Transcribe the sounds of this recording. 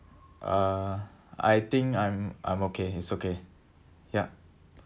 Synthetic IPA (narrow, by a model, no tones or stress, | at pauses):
ʔʌ | a̰jt̪ĩŋkãjmʔã̰j̃mokʰeitsoke | ja